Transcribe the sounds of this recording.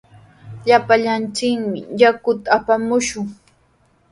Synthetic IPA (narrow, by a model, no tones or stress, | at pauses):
ʎapaʎant͡ʃɪkmɪ̰jakʊt̪aːpamʊʃʊŋ